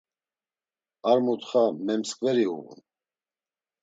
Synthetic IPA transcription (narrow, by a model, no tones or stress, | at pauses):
aɾmut̪χamɛmskʼvɛɾiṵvṵn